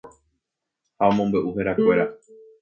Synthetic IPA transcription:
haõmõ̞mbe̞ʔuɦeɾakʷe̞ɾa

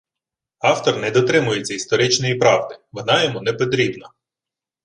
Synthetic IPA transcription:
ɑwt̪ɔrnɛd̪ɔt̪ɾɪmʊjet͡sʲːɐist̪ɔɾɪt͡ʃnɔjipɾɑʋd̪ɪʋɔnɑjɛmunɛpɔt̪ɾʲibnɐ

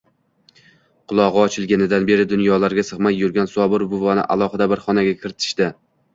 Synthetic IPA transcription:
qʰʊlˠɒʁɨɒt͡ʃʰɪlɡʲanɪd̪anbe̞ɾɪd̪ʊnjɒlaɾɡʲasɨχmakʲjʊɾɡʲansɒbɪɾbʊvanɪ̰ʔa̰lˠɒχɨd̪abɪɾχɒnaɡʲakʲʰɪɾɪt̪ʰɪ̥ʃt̪ɪ

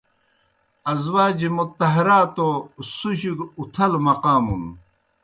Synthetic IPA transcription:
ɐzwaːd͡ʑimut̪ːɐɦɐɾaːt̪osuɕikut̪ʰɐlmɐqaːmṵn

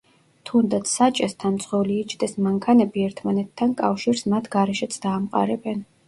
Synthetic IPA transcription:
t̪ʰund̪at̪sʰsat͡ʃʼɛst̪ʰanmt̪sʼχɛliːt͡ʃʰd̪ɛsmaŋkʰanɛbiɛɾt̪ʰmanɛt̪ʰːankʼa̰fʃiɾsmat̪ʰɡaɾɛʃɛt̪sʰd̪aːmqʼa̰ɾɛbɛn

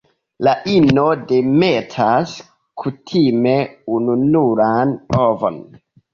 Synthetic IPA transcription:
laʔinodemetʰas | kʰutʰime̞ununuɾanovo̰n

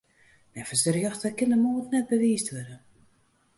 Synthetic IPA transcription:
nɛfəsərjɔxtəkɪnəmoːtnɛt̚bəʋiːstʋødə

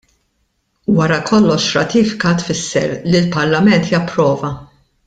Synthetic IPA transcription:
wɐɾɐkʰɔlːɔʃɾɐt̪iːfɪ̥kɐt̪fɪsːɛ̰ɾlilpɐɾlɐmɛnt̪jɐpːɾɔːvɐ

